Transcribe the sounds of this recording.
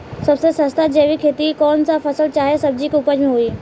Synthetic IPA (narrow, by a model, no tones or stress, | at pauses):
sɐbsesə̃st̪ʰad͡ʑeːʋikʰeːt̪ikɔːnsafɐsəlt͡ɕaːɦesɐb̚d͡ʑikʊpəd͡ʑmẽɦuiː